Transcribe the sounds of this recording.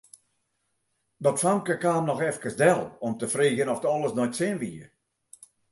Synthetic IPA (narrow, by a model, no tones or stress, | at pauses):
dɔtfamkəkaːmnɔxɛfkəsdɛlˠɔmtəfriːɣənɔftɔlˠəsnɔjtsɪnʋiːər